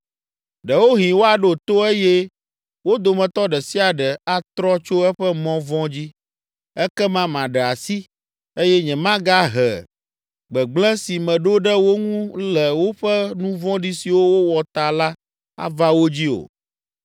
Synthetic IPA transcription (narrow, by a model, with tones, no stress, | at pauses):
ɖɛ˨wo˦ɦĩ˨wo˦a˨ɖo˨t̪o˦e˦jɛ˦ | wo˦d̪o˨mɛ̃˨t̪ɔ˦ɖɛ˨si˦a˨ɖɛ˨a˦t̪ɾɔ˦t͡ʃo˦ɛ˦ɸɛ˦mɔ̃˦vɔ̃˦d͡ʑi˦ | ɛ˦kɛ˦mã˦mã˨ɖɛ˨a˨si˦ | e˦jɛ˦ɲɛ̃˨mã˦ɡa˦ɦɛ̰˨ | ɡ͡bɛ˨ɡ͡blɛ̃˦si˨mɛ̃˨ɖo˦ɖɛ˦wo˦ŋũ˦lɛ˨wo˦ɸɛ˦nũ˦vɔ̃˦ɖi˦si˨wo˦wo˦wɔ˨t̪a˨la˦ | a̰˦va˦wo˦d͡ʑi˦o̰˨